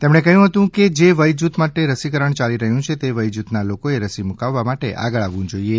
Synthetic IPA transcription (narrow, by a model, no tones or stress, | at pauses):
t̪emɽ̃ɳekəɦjũɦət̪ũked͡ʒeʋəjd͡ʒut̪maʈeɾəsikəɾəɳt͡ʃaliɾəɦjũt͡ʃʰet̪eʋəjd͡ʒut̪nalokoeɾəsimukaʋːamaʈḛʔa̰ɡəɭaʋːũd͡ʒoie